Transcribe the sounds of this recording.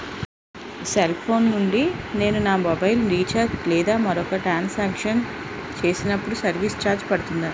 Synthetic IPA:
selpʰo̞ːnnuɳɖine̞ːnunaːmɔbɐjlɾiːt͡ʃɐɾlɛːd̪aːmɐɾɔkɐʈɾaːnsaːkʂɐn | t͡ʃe̞ːsinɐpːuɽusɐɾʋiːst͡ʃaːɾd͡ʒpɐɽut̪und̪aː

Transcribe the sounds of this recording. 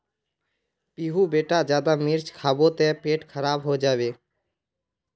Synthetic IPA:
piːɦubeːʈad͡ʒjaːd̪amɪɾt͡ʃkʰaːbot̪ɛpeːʈkʰəɾaːbɦod͡ʒaːbeː

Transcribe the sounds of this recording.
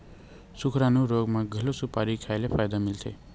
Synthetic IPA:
sʊkʰɾãnũɾoːɡmãɡʱəlosʊpaːɾikʰaːelefaːjd̪amɪlt̪ʰḛː

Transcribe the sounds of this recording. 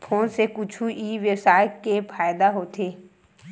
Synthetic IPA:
pʰoːnsekʊt͡ʃʰuiːʋjəsaːɪkepʰaːjd̪aɦoːt̪ʰeː

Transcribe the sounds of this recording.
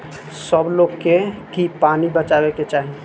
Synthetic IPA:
səbloɡkekipanibət͡ʃabeket͡ʃaɦi

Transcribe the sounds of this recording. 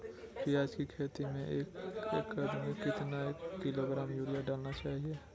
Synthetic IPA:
pɾɪjaːd͡ʒkikʰeːt̪imẽʔeːkekːəɾmẽkɪt̪naekːɪloɡɾaːmjuːɾijaɖaːlnat͡ʃaːɦiɛ

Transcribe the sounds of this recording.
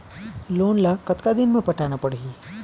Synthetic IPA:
lonlakət̪kad̪inməpəʈʰaɽ̃apəɽɦi

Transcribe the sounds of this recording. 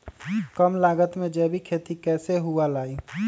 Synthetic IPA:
kəmlaːɡət̪mẽd͡ʒɛbʱikʰeːt̪ikɛːseɦualaːi

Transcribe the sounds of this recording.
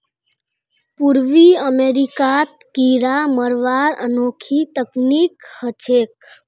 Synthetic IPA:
puɾʋiəmeːɾikat̪kiɾaməɾʋaɾə̰noːkʰit̪əknikhət͡ʃʰeːk̚

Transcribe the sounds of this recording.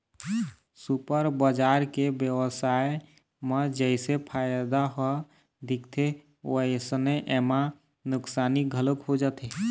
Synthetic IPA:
supəɾbəd͡ʒaɾkebjəwəsae | məd͡ʒəɪsepʰajd̪aɦɔ | d̪ikt̪ʰe | əjsənəjʔema | nʊksaːniɡʱələkɦod͡ʒat̪ʰe

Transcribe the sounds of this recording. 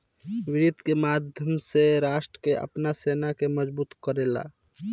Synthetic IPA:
wɪɾid̪ʱkemaːd̪ʱjəmseɾaːʃʈɾəkeə̰pnaseːnakeməd͡ʒbuːt̪kəɾeːla̰

